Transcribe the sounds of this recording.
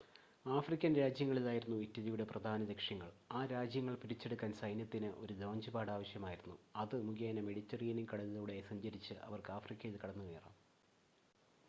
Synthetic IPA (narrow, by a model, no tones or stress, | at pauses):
aːfrikʲːɐnɾaːd͡ʑjɐŋːɐɭilaːjiɾunːuitːɐðɐjuɽe̞prɐd̪ʱaːnɐdekʂjɐŋːɐɭaːɾaːd͡ʑjɐŋːɐɭpiɾit͡ɕːe̞ɽukːaːnsɐjnjɐt̪ːinɨʔo̞̰ɾudo̞ːɲd͡ʑɐbaːɽaːʋɐɕjɐmaːjiɾunːuɐðɨmuɡjaːnɐmeɽitːɐriːniŋkɐɽɐɐðɐuɽesɐɲd͡ʑɐɾit͡ɕːɨʔɐ̰ʋɐrkɨaːfrikʲːɐjilkɐɽɐnːuʋeːra̰ːm